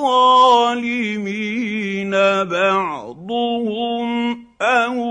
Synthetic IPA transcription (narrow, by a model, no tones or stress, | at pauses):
ɑlɪminabɑʕd̪ˤʊhʊm | ʔan